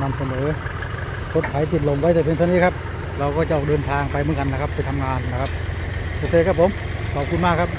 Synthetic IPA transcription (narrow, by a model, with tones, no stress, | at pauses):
na˧msa˧nɤː˨˦ | kʰo˦˥t̪̚kʰa˩˦jt̪i˨˩t̪̚lo˨˩mwa˧˥˩j̪t̪aː˨˩pʰŋtʰa˧niː˦˥˩kʰa˦˥p̚ | ɾa˧wkɔː˥˩t͡ɕa˨˩ʔɔː˨˩dɤː˧nt̪ʰaː˧ŋpa˧jmɯː˩˦nka˧nːa˦˥˩kʰa˦˥pːa˧jt̪ʰa˧mŋaː˧nːa˦˥kʰa˦˥p̚t̪ʰo˧˩t̪ʰeː˧˩ka˥pʰo˨˦m | kɔː˨˩p̚ku˧nmaː˥˩kʰa˦˥p̚